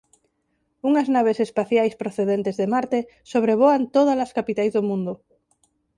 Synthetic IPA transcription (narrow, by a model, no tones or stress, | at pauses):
uŋaznaβesespaθjajspɾoθeðent̪ezðemaɾt̪e | soβɾeβ̞oant̪oð̞alaskapit̪ajzðomũnd̪o